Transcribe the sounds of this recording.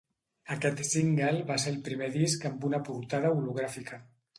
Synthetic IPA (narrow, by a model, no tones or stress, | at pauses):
əkɛt̪siŋɡelˠβaseəlˠpɾimeðiskəmbunapuɾt̪aðəuluɣ̞ɾafikʰə